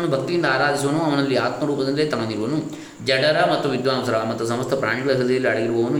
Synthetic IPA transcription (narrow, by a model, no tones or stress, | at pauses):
ɐnːubʱɐk̚t̪ijind̪ɐaːɾaːd̪ʱis̬uʋɐnuɐʋɐnɐlːiaːt̪mɐɾuːpɐd̪ɐnd̪eːt̪ɐmɐniɾuʋɐnu | d͡ʒɐɖɐɾɐmɐt̪ːuʋid̪ʋaːnusɐɾɐmɐt̪ːusɐmɐst̪ʰɐpɾaːɳiɡɐɡɐd̪ɐjɐlːiɐɽɐɡiɾubɐʋɐnu